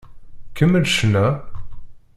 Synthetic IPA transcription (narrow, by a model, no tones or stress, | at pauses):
kəmːəlʃnæ